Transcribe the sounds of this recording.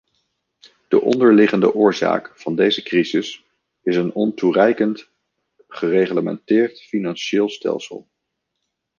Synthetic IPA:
d̥əʔɔ̰ndəɹlɪχəndə̰ʔʊːɹza̰ːkfɑndejzəkrizɪs | ɪsənɔnturɛjkənt | χərejχləmɛ̰ntɪːɹtfinɑnʃɪːlˠstɛ̰lˠsə̰lˠ

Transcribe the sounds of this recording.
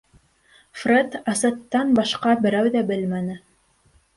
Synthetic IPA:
fret̪ɑsɤ̆t̪ːɑnbɑʃqɑbɘ̆ɾæwðæbɘlmænɘ

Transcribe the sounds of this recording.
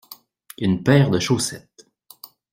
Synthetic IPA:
ynpɛːʁd̪əʃosɛt̪

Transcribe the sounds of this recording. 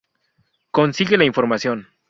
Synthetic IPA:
ko̞nsiɣelaiɱfo̞ɾmasjo̞n

